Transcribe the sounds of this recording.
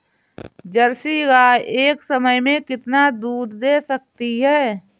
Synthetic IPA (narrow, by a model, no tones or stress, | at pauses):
d͡ʒəlsiɡaeːksəməjmẽkɪt̪nad̪uːd̪d̪eːsək̚t̪iɦɛː